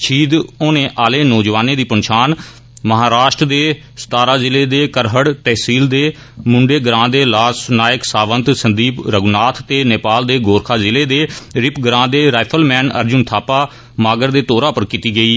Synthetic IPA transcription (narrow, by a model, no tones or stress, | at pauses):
ʃʰiːd̪oːnẽːʔaːleːnɔːd͡ʒʋaːneːd̪iːpənʃaːn | məɦaːɾaːʃʈɾd̪eː | st̪aːɾaːzɪleːd̪eːkəɾɦəɽt̪ɛːɦsiːld̪eː | mʊɳɖeːɡɾãːd̪eːlaːsnaːjɪəksaːʋənt̪sənd̪iːpɾəɡnaːt̪ʰt̪eːneːpaːld̪eːɡoːɾkʰaːzɪleːd̪eːɾɪpɡəɾãːd̪eːɾaːɪpʰəlmɛ̃ːnə̰ɾd͡ʒʊnt̪ʰaːpaː | maːɡəɾd̪eːt̪oːɾaːpəɾkiːt̪iːɡəiː